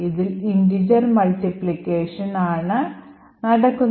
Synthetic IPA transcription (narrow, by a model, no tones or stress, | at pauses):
iðilinɖid͡ʑɐrmɐlʈiplikːeːʂɐnaːɳɨ | nɐɽɐkːunː